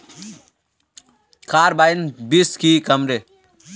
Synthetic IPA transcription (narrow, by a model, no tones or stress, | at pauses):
kʰaːɾbaːjnbiskikɐmɾe